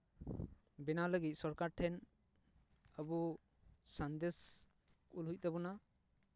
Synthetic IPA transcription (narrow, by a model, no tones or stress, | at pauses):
bɛnaləɡit̪̚sɔɾkaɾʈʰɛn | əbu | sand̪es | kulɦuc̚d̪ɛbɔna